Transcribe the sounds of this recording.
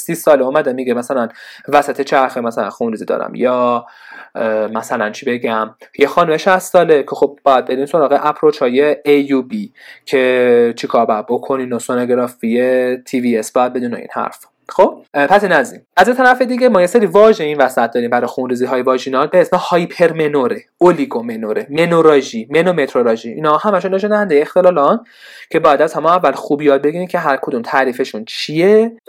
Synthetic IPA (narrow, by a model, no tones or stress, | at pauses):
sisɒːleuːmæd̪emiɡemæsælænvæsæt̪ʰe̞t͡ʃʰæɾxemæsælæ̰nxunɾiːziːd̪ɒ̰ːɾæ̰mjɒː | mæsælænt͡ʃʰibe̞ɡæmjexɒːnumeʃæst̪sɒːlecʰexob̚bɒːjæd̪̚be̞ɾiːmso̞ɾɒːɣeʔæpʰɾot͡ʃʰhɒːje̞ejubicʰet͡ʃʰikʰɒːɾbææd̪̚bo̞kʰo̞ninosonoɡɾɒfijet̪ʰiviesb̥ɒːjæd̪̚be̞d̪iːno̰ḭːnhæ̰ɾf | xob̥̚pʰæsinæzḭnæzet̪ʰæɾæfed̪iɡemɒːje̞seɾiːvɒːʒeiːnvæsæt̪̚d̪ɒːɾiːmbæɾɒjxunɾiːziːɦɒːjevɒːʒinɒlbeesmehɒːjpʰeɾmenoɾe | oliɡomenoɾemenoɾɒʒimenome̞t̪ʰɾoɾɒʒiʔḭːnhɒhæmæʃunːeʃonæhænd̪ejeext̪e̞lɒːlɒn | cʰe̞bɒːjæd̪æzhæmɒːævːælxubjɒːd̪̚be̞ɡiɾiːmcʰe̞ɦæɾkʰod̪umt̪ʰæːɾiːfeʃunt͡ʃʰije